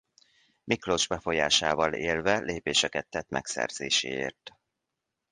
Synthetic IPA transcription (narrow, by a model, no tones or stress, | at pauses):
mʔikloʒbɛfo̞jaːʃaːvɒleːlvɛlʔeːpeːʃɛkɛt̪ːɛt̪ːmʔɛ̰ksɛ̰rz̥eːʃḛːḛːrt̪